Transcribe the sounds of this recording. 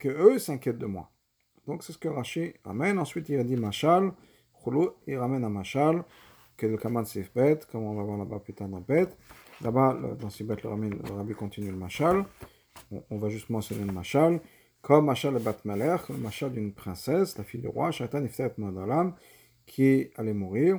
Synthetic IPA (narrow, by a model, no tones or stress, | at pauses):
kəøsɛ̃kʲjɛt̪̚d̪əmwa̰ | d̪̥ɔ̃ksɛsə̥kəʁaʃiʁa̰mɛnɑ̃sɥit̪id̪imaʃal | χuloiʁamɛnamaʃal | kɛd̪əkamãsifbɛt̪kɔmɔ̃vavwaʁlabaplyt̪aʁd̪ɑ̃bɛt̪labalə̰d̪ɑ̃sivbɛt̪ləʁamiləʁabikɔ̃t̪inyləmaʃal | ɔ̰̃ːvaʒyst̪əmɑ̃sjɔneləmaʃal | kʰɔmːaʃalɛbat̪mɛlɛχləmaʃald̪ynpχɛ̃sɛslafijd̪y̰ʁwa̰ʃat̪anift̪aɛt̪mud̪alam | kʲʰialɛmuʁiːʁ